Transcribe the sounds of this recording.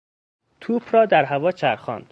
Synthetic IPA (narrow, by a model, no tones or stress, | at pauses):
t̪ʰuːpʰɾɒːd̪æɾɦævɒːt͡ʃʰæɾxɒ̰ːnd̪̥